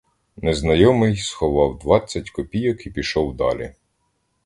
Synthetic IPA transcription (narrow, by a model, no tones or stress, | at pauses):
neznɐjɔmɪjsxɔʋɑwd̪ʋɑt͡sʲːɐtʲkɔpʲijɔkipʲiʃɔwd̪ɑ̰lʲḭ